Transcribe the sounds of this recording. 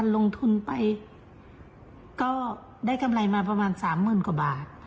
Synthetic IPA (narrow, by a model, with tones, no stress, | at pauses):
a˧˥nlo˧ŋt̪ʰu˧˥npa˧j | kɔː˥˩ | da˥˨jkʰa˧mla˧˩jmaː˧pa˧maː˧˨nsaː˨˦mːɯː˧˥˨nku˨˩baː˨˩t̪̚